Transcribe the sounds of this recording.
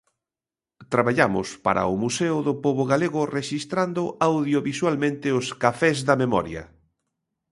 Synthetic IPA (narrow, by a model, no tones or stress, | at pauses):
t̪ɾaβaʎamʊ̰spa̰ɾɐ̰ʊmuseʊðʊpoβʊɣaleɣʊreʃist̪ɾand̪ʊʔawðjoβiswalmẽnt̪ɪʊskafɛzðɐmemɔ̰ɾjɐ̰